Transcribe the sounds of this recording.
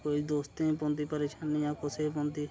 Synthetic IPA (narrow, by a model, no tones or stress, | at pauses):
koid̪oːst̪ẽpõːnd̪iːpəɾeːʃaːnːijãːkʊseːp̬ɔ̃ːnd̪iː